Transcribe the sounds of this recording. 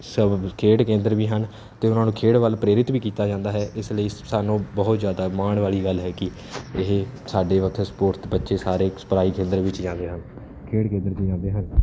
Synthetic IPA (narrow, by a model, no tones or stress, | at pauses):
səbkʰeːɽkẽːnd̪əɾʋiːɦən | t̪eːʊnãːnũːkʰeːɽʋəlpɾeːɾɪt̪biːkiːt̪aːd͡ʒãːnd̪aːɦɛːʔɪsləiːsaːnõːbəɦʊt̪zjaːd̪aːmaːɳʋaːɭiːɡəlɦɛːkɪ | ɪɦesaːɖeːʋəkʰspoːɾʈt̪bətːʃeːsaːɾeːsə̥pɾaːiːkẽːnd̪əɾʋɪt͡ʃd͡ʒãːnd̪eːɦən | kʰeːɽkẽnd̪əɾd͡ʒid͡ʒãːnd̪eːɦən